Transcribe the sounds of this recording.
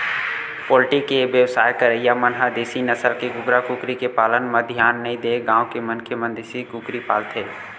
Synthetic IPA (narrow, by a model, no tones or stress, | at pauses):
pɔːlʈikeʋjəʋsaːjkəɾəijamənɦad̪eːsinəsəlkeɡʊɡɾakukɾikepaːlənmãd̪ʱjaːnːɐĩd̪eːɡãːõkemə̃nkʰemə̃nd̪eːsikukɾipaːlt̪ʰɦeː